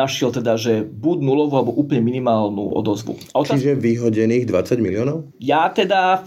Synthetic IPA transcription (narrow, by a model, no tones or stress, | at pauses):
aʃɛlt̪ɛd̪aʒɛbuɟnulɔʋualɛbɔʔuːpl̩ɲɛminimaːlnṵɔ̰d̪ɔzʋṵaɔtt͡ʃ̪aiʒɛʋiɦɔɟɛniːɣd̪ʋat͡saɟmiliɔːnɔʊ | jat̪ɛd̪a